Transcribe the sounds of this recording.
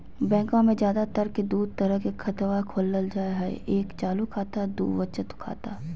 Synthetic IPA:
bɛ̃ːkõmẽd͡ʒjaːd̪at̪əɾked̪uːd̪̚t̪əɾəɦkekʰɐt̪ʋakʰoːlːəld͡ʒaːeɦɛḛʔeːkt͡ʃaːlukʰaːt̪ad̪ṵːʋət͡ʃət̪ʊ̥kʰa̰ːt̪a

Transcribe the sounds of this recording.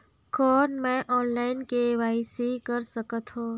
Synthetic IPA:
kɔːnmɛ̃ʔɔːnlaːɪnkeʋaːɪsikəɾsəkət̪ɦõː

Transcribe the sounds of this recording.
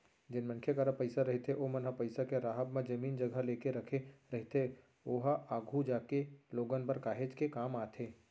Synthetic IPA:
d͡ʒɪnmɐ̃nkʰjekaɾapɐɪsaɾɐɦet̪ʰeʔomɐnɦapɐɪsakeɾaːɦəbmẽd͡ʒɐmiːnd͡ʒɐɡʱəleːkeɾɐkʰeɾɐɦet̪ʰe | oːɦaaːɡʱud͡ʒaːkeloːɡənpɐɾkaːɦed͡ʒkekaːmaːt̪ʰeː

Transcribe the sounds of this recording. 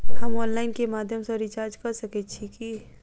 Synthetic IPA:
hɐmɔːnlaːɪnkemaːd̪ʱjəmseɾit͡ʃaːɾd͡ʒkɐɾsɐket͡ʃʰiki

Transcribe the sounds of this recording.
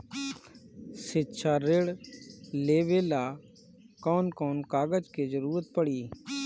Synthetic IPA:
sɪtːʃʰaːɾeːɽleːʋeːlaː | kɔːnkɔːnkaːɡəd͡ʒkeːzəɾuːɾət̪̚pəɽiː

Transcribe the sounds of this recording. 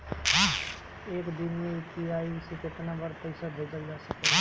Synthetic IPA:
ɦ | eːkd̪ɪnmẽpiaːisikɪt̪nabəɾpɐɪsabʱeːd͡ʒ̪əld͡ʒaːsəkeɦ

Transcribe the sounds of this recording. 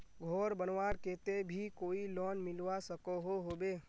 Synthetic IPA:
ɡʱoːɾbənʋaːɾkeːt̪ebʱikoːilɔːnmɪlwasəkoɦoɦoːbeː

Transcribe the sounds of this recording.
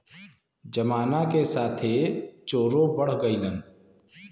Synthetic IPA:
d͡ʒəmaːnakesaːt̪ʰet͡ʃoːɾõbəɽ̤ɡəilən

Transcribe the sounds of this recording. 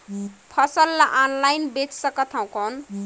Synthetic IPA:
pʰʌsʌlːaʔanlajnbet͡ssʌkʌt̪ʰãw̃kɔn

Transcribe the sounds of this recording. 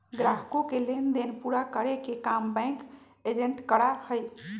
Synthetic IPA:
ɡɾaɦkõkelend̪enpuɾakəɾekekambɛ̃k | ed͡ʒeɳʈkəɽahəj

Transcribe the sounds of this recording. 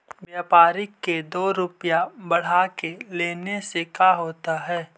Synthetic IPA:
ʋjaːpaːɾɪkːed̪oːɾʊpjabɐɽ̤akeleːnesekaɦoːt̪aɦɛː

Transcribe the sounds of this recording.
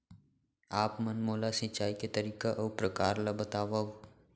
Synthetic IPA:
aːpmənmoːlasɪt͡ʃaːiket̪əɾiːkaʔɐwpɾɐkaːɾlabət̪aːʋə

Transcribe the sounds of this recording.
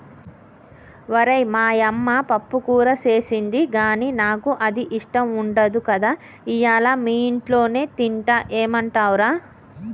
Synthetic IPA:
ʋɐɾɐjmaːjɐmːaːpɐpːukuːɾɐt͡ʃe̞ːsind̪iɡaːniːnaːkuʔɐd̪iʔiʂʈɐmuɳɖɐd̪ukɐd̪aː | ijaːlaːmiːiɳʈlo̞ːne̞ːt̪iɳʈɐʔeːmɐɳʈaːwuɾaː

